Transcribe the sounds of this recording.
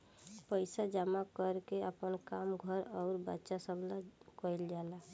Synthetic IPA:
pəɪsad͡ʒamakəɾkeəpənkamɡʱəɾɔʊɾbə̰tːʃasəbʱlakəld͡ʒala

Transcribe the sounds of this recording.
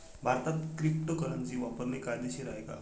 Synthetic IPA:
bʱaɾt̪at̪kɾipʈəkəɾant͡siːʋapəɾlekajd̪eɕiːɾaɦeka̰

